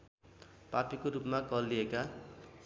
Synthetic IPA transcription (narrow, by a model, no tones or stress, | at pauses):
papikoɾupmakʌlːieka